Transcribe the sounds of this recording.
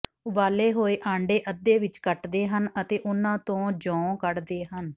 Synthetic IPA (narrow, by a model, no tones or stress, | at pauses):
ʊbaːleːɦoːeːʔãːɳɖeːʔəd̪ːeːʋɪt͡ʃkəʈd̪eːɦənət̪eːʔʊnːãːt̪õːd͡ʒɔ̃ːkəɽd̪eːɦən